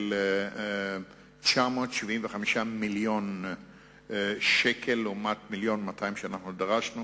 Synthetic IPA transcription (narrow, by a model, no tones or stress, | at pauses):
l | t͡ʃamo̞ːtʃivimveχamiʃamiljo̞n | ʃekʰe̞lumatmiljo̞nmatʰajimʃeanaχnudaʁaʃnu